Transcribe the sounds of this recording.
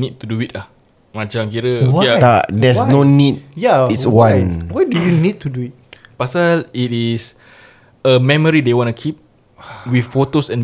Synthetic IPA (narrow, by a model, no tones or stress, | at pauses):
nid̚tuduitah | mãt͡ʃãmkiɾəowtadɛsnonit̚jaiswãnwajdujunid̚tuduit̚pasalitis | əmɛ̃məɹidewɔ̃ntukʰip̚ | wiθfotosɛ̃n